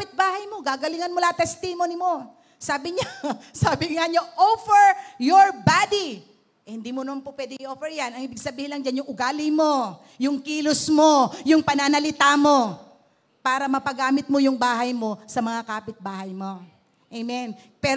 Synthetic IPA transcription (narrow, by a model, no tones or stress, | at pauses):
pɪt̪̚baːhɐjmo̞ɡaɡɐlɪŋɐnmʊlat̪ɛst̪imonɪmo̞ | saːbɪɲasaːbɪŋaɲoʔofɛɹjoɹbad̪i | ʔhɪnd̪iːmonɐmanpopwɛd̪ɪŋɪʔoːfɛɹjanɐŋɪbɪɡ̚sɐbiːhɪnlɐŋd͡ʒanjʊŋʔʊɡaːlɪmo̞ | jʊŋkiːlosmojʊŋpɐnanɐlɪt̪aːmo̞ | paːɾɐmɐpɐɡaːmɪt̪̚mo̞jʊŋbaːɦɐjmo̞sɐmɐŋakaːpɪt̪̚baːhɐjmo̞ | ʔejmɛnpɛ